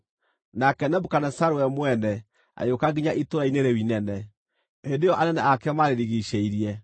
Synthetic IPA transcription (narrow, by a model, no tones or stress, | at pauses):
nakɛnɛbukanɛsaɾwɛmwɛnɛ | a̰jokaɡiɲaʔitoɾaineɾewinɛnɛ | hendejɔʔanɛnɛakɛmaɾeɾiɣiɕeiɾiɛ